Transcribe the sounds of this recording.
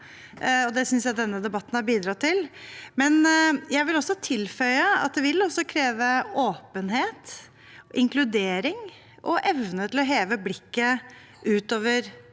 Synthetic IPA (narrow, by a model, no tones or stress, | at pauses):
ɔd̪ɛsʏnsjæɪd̪ɛnːəd̪ɛbɑt̪ːən̩hɑɾbiːd̪ɾɑt̪ːɪlmɛnjæɪʋɪlɔsːɔt̪ʰɪlfœʏəɑ̰t̪̚d̪ɛʋɪlɔsɔkʰɾeːʋəoːpənɦeːt̪ | ʔɪŋklʉd̪eːɾɪŋ | ʔɔʔɛʋnət̪ʰɪlɔɦeːʋəblɪkːə | ʔʉːt̪oːʋəɾ